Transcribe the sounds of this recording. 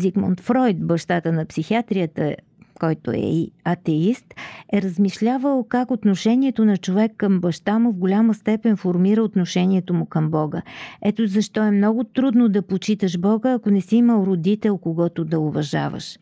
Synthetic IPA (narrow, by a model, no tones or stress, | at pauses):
zikmont̪fɾɔjt̪bɐʃt̪at̪ənɐpsixiat̪ɾijət̪ə | kɔjt̪o̰ɛ̰iɐt̪ɛist̪ɛɾəzmiʃlʲavəlˠkakot̪noʃɛniɛt̪onɐt͡ʃovɛkːəmbɐʃt̪amʊvɡolʲaməst̪ɛpɛnfoɾmiɾəot̪noʃɛniɛt̪omʊkəmbɔɡəɛt̪ozɐʃt̪ɔɛmnɔɡʊt̪ɾud̪nod̪ɐpot͡ʃit̪əʃbɔɡəːkonɛsiiməlˠɾod̪it̪ɛlˠkoɡɔt̪od̪ɐʊvɐʒa̰və̰ʃ